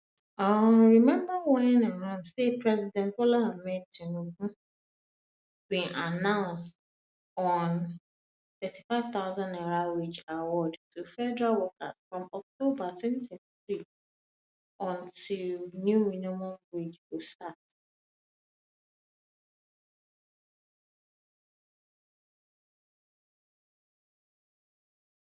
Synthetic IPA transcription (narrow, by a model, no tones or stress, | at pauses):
aɹimɛ̃mbawɛ̃namãnsepɹɛzidɛ̃ntpolamɛtĩnokũ | bĩnʔanãʊ̃nst | ɔ̃n | θɛti̥faɪv̥t̪aʊzãnɛɹawed͡ʒawɔdtʰufɛdɹawɔkʰa̰z̥fɹɔ̃mɔk̚tobatʰwɛ̃ntiθɹi | ʔɔ̃ntʰilnjuminomɔ̃mbed͡ʒustat